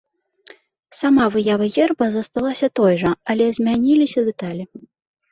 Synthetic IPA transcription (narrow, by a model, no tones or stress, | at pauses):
samavɨjavɐɣʲɛrbɐzɐst̪alˠasʲɐt̪ɔjʐɐɐlʲɛzʲmʲanʲilʲisʲɐd̪ɨt̪alʲi